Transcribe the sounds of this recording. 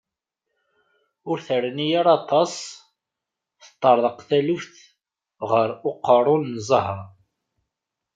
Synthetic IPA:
ʊɾθəɾənijaɾɑt̪ˤɑsˤ | θə̥t̪ˤːəɾˤðəqθælufθ | ʁəɾʊqːəɾˤʊnːzˤəɦɾˤ

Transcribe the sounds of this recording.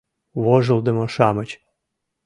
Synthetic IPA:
βoʒɤld̪ə̆moʃɑmət͡ɕ

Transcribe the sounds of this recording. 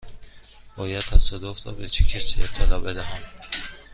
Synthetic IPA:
b̥ɒːjæd̪̚t̪ʰæsɒd̪ofɾɒːbet͡ʃʰecʰæsiːet̪ʰːelɒːbe̞d̪æhæm

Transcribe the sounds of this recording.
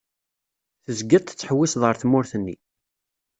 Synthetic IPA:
θəzɡət̪ˤt͡sːħəwːisðˤʁəɾθmːʊɾθənːi

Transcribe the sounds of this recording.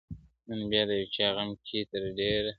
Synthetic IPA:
nənbjɑːd̪əjwt͡ʃɑːɣamkʰit̪əɾɖeɾ

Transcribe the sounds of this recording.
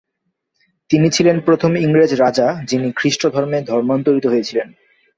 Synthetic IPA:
t̪init͡ɕʰilenpɾot̪ʰomiŋɾed͡ʑɾad͡ʑad͡ʑinikʰɾiʃʈod̪ʱɔɾmed̪ʱɔɾmant̪oɾit̪oɦojet͡ɕʰilen

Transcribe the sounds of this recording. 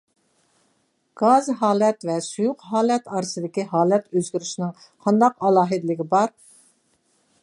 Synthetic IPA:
ɡ̥ɑzɦɑːlˠɛt̪vɛsujʊqɦɑːlˠɛt̪ɑɾɨsɨd̪ɪkʲiɦɑːlˠɛt̪øzɡʲyɾyʃinɪŋ | qʰɑnd̪ɑqɑlˠɑːɦɨd̪lɪɡʲɪbɑɾ

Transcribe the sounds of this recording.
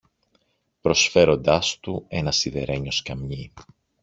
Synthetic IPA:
pɾo̞sfe̞ɾo̞nd̪ɐst̪ue̞nɐsiðe̞ɾe̞ɲo̞skɐmɲi

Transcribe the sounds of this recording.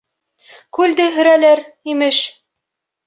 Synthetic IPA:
kʉld̪ɘɦɵ̆ɾælæɾ | imɘʃ

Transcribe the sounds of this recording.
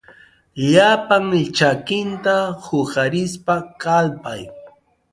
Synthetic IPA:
ʎapaŋt͡ʃakɪnt̪ahʊhaɾɪs̬pakalpa̰j

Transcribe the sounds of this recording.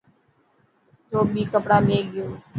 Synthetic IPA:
t̪oːɓiːkəpɽãːmeːɡɪjoː

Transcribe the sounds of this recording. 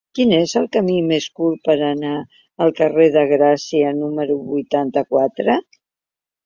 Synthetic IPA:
kinezəlˠkəmimeskuɾpəɾəna | əlˠkəreðəɣ̞ɾasiənuməɾuβujt̪ant̪əkwat̪ɾə

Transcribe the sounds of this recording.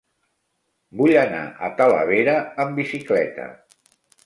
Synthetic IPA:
buʎəna̰ʔət̪ələ̰β̞eɾəːmbisiklɛt̪ə̰

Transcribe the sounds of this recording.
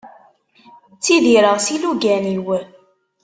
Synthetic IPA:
t͡sːiðiɾəʁsiluɡæniwə

